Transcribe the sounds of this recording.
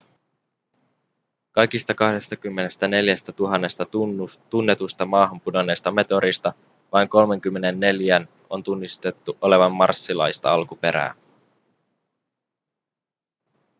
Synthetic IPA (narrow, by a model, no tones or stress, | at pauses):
kɑjkist̪ɑkɑhde̞st̪ɑkymːe̞ne̞st̪æne̞ljæst̪æt̪uɦɑnːe̞st̪ɑt̪unːe̞t̪ust̪ɑmɑːɦɑmpudo̞nːeːst̪ɑme̞t̪o̞ɾist̪ɑ | ʋɑjŋko̞lme̞ŋk̟ymːe̞ne̞nːe̞ljæn | o̞̰nt̪unːist̪e̞t̪ːuʔo̞le̞ʋɑmːɑ̰rsːilɑ̰jst̪ɑ̰ɑlkupe̞ɾæ̰ː